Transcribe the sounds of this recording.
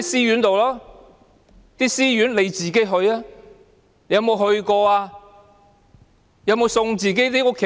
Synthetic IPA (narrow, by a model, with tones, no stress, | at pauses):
siː˥jyː˨˥nt̪o˨wlaː˥ | t̪iː˥siː˥jyː˨˥nle˨˧jt͡siː˨˩ke˨˥jɦɵ˧ɥaː˥˨ | jɐ˧wmo˨˧wɦɵ˧ɥkɔː˧aː˧ | jɐ˧wmo˨˧wsʊ˧ŋt͡siː˨˩ke˨˥jni˥kɔ˧kʰe˨